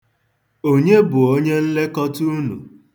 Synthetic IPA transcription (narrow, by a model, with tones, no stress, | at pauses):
o˦ɲe˦bʊ˨o˦ɲe˦n̩˦le˦kɔ˦tu˦nṵ˨